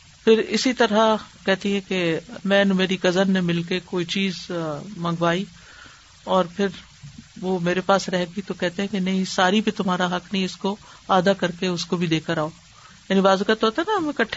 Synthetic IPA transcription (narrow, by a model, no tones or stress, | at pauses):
pʰɪɾɪsit̪ɐɾakɛɦt̪iɦɛ̃kemɛ̃ːnmeːɾiɡɐzənnemɪlkekoːit͡ʃiːzmɐ̃ŋɡʋaːi | ɔːɾpʰɪɾ | ʋomeːɾepaːsɾɛɦɡit̪okɛɦt̪eɦɛ̃kenɐɦĩsaːɾibʱit̪ʊmɦaːɾaɦɐknɐɦĩɪskoaːd̪akɐɾkeʊskobʱid̪eːkəɾaːoː | jaːnĩbaːzukat̪oɦoːt̪aɦɛnaɐmẽkɐʈʰː